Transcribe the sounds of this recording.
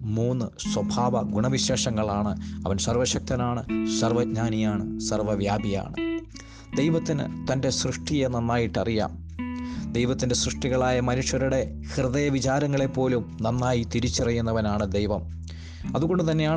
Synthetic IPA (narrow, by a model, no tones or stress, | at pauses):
muːnːɨ | swɐbʱaːʋɐɡuɳɐʋiɕe̞ːʂɐŋːɐɭaːɳɨɐʋɐnsɐrʋɐɕɐk̚t̪ɐnaːɳɨsɐrʋɐɡɲaːnijaːɳɨsɐrʋɐʋjaːbʱija̰ːɳɨ̰ | d̪ejʋɐt̪ːinɨ̰t̪ɐnde̞srɨʂʈijenːɐnːaːjiʈːɐrija̰ːm | d̪ejʋɐt̪ːinde̞srɨʂʈiɣɐɭaːjɐmɐnuʂjɐɾuɽe̞ | hrɨðɐjɐʋit͡ɕaːɾɐŋːɐɭe̞pːo̞ːlumnɐnːaːjit̪iɾit͡ɕːirɐjːunːɐʋɐnaːɳɨd̪ejʋɐm | ɐðuɣo̞ɳɖɨt̪ɐnːe̞jaː